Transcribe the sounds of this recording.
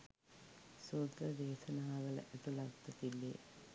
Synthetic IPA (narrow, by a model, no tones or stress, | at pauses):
sut̪ɾɐd̪eːsɐnaːʋɐɭt̪ːulɐkt̪ːɐt̪ːilːḛ